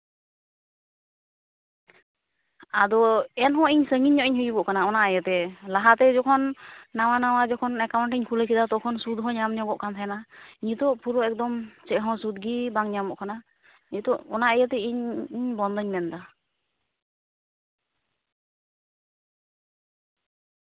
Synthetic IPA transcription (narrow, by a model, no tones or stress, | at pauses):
ad̪ɔɛnɦɔ̃iɲsəŋiɲːɔʔiɲhujbɔʔkanaɔnaʔajət̪ɛlaɦat̪ɛd͡ʒɔkʰɔnːawanawad͡ʒɔkʰɔnɛkawɳʈiɲkʰuləkʰid̪at̪ɔkʰɔnsud̪ɦɔ̃ɲamɲɔɡɔʔkant̪ʰajanaiɲt̪ɔʔpuɾɔɛk̚d̪ɔmt͡ʃɛʔɦɔ̃sud̪ɡibaŋɲamɔʔkana | iɲt̪ɔʔɔnaajət̪ɛiɲiɲbɔnd̪ɔɲmɛnd̪a